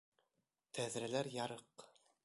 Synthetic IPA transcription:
t̪ʰæðɾælæɾjɑɾɤq

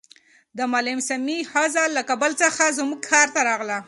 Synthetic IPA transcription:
d̪əmalɪmsamihazɑlːakabəlt͡səxazmuɡ̚kʰɑɾt̪aɾɑɣla

